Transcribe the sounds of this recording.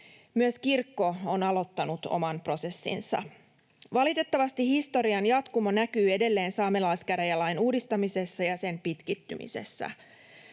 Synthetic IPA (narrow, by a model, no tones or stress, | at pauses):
myøskirkːo̞onɑlo̞t̪ːɑnut̪o̞̰mɑnpro̞se̞sːḭnsɑ̰ | ʋɑlit̪e̞t̪ːɑʋɑst̪ihist̪o̞ɾiɑnjɑt̪kumonækyːe̞de̞lːe̞ːnsɑːme̞lɑjskæɾæjɑlɑjnuːdist̪ɑmise̞sːɑjɑse̞mpit̪kit̪ːy̰mḭsḛsːæ̰